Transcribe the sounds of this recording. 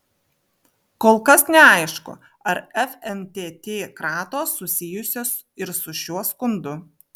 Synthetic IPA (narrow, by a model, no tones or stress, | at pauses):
koːlˠˑkɐsnʲɛɐɪʃkʊ̰ | ɐɾɛfʲɛmt̪ʲeːt̪ʲeːkɾɑːt̪oːsːʊsʲɪjʊsʲoːs | ɪɾsʊʃʲuɔskʊnd̪ʊ